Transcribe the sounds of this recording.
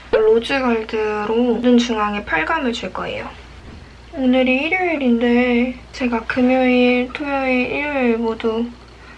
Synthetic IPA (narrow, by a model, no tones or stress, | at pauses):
ɭod͡ʑɯɡaɭdɯɾodɯnt͡ɕuŋɦaŋepʰaɭɡamɯɭd͡ʑuɭk͈ʌḛjo | onɯɾiiɾjoiɾinde̞ | t͡ɕe̞ɡakɯmjʌiɭtʰomjʌiʔiɾjɭmodu